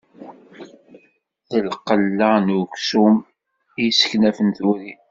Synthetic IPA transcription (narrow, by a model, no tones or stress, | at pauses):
θəlqəlːanuksum | jsə̥çnæfənθuɾi